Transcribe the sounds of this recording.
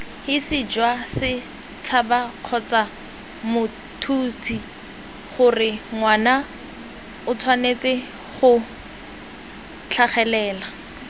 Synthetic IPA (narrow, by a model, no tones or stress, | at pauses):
hɪsɪd͡ʒwasɪ | t͡sʰabaq͡χʰɔt͡sa | mʊ | tʰuːtʰi | χʊrɪŋwaːna | ʊt͡sʰwanet͡sɪ | χʊ | t͡ɬʰaχɛlɛːla